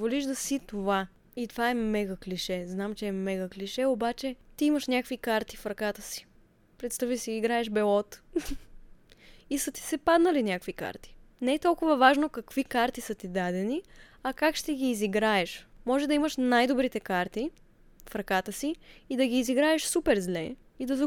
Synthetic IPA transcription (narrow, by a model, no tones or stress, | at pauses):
voliʒd̪ɐsit̪ova | it̪ovaɛmɛɡəkliʃɛznamt͡ʃɛːmɛɡəkliʃɛobat͡ʃɛt̪iiməʃnʲjakvikaɾt̪i̥fɾɐkat̪əsi̥ | pɾɛt̪st̪avisiiɡɾaɛʃbɛlˠɔt̪ | isət̪i̥sɛpad̪nɐlinʲjakvika̰ɾt̪i̥nɛɛt̪ɔlˠkʊvɐvaʒnokɐkvikaɾt̪isət̪id̪ad̪ɛniɐkakʃt̪ɛɡʲiːziɡɾaɛʃmɔʒɛd̪ɐiməʃnajd̪obɾit̪ɛkaɾt̪i | fɾɐkat̪əsiːd̪ɐɡʲiːziɡɾaɛʃsupɛɾzlɛ | id̪ɐzɐ